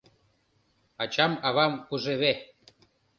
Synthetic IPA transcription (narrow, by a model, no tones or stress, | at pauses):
ɑt͡ɕɑmɑβɑmuʒeβe